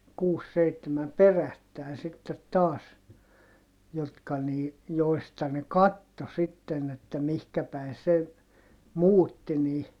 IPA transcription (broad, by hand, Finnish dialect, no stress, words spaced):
kuːs seitːemæm perætːæˑin sitːet tɑːs jotkɑ niː joistɑ ne kɑtːo sitːen etːæ mihkæ pæi se muːtːi niː